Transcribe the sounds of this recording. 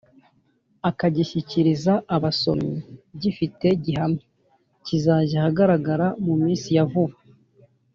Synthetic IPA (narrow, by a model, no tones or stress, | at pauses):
akaɟiʃiciɾizaːβaso̞̰miɟifite̞ɟiɦamɲe | cizaːʒahaɡaɾaɡaɾamumiːnsijavuβa